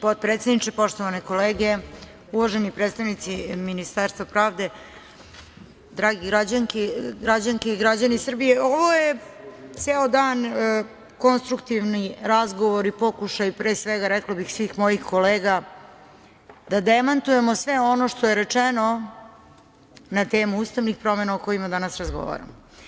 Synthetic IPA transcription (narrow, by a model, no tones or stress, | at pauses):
pod̪̚pɾet̪se̞d̪nit͡ʃepo̞ʃt̪oʋaneko̞leːɡe̞ | uʋoʒenipɾet̪st̪aʋnit̪siminist̪aɾst̪ʋapɾaːʋd̪e̞ | d̪ɾaːɡiɡɾad͡ʑaŋkiɡɾad͡ʑaŋkeiɡɾad͡ʑanisr̩bijeoʋo̞jet̪seːod̪aːn | ko̞nst̪ɾukt̪iʋniɾazɡoʋo̞ɾipo̞kuʃajpɾeːsʋeɡaɾɛklabixsʋiːxmo̞jixko̞leːɡa | d̪̥ad̪emant̪uje̞mosʋeo̞noʃt̪o̞je̞ɾet͡ʂeno | nat̪eːmuuːst̪aʋnixpɾo̞menaoko̞imad̪anasɾazɡo̰ʋa̰ɾa̰mo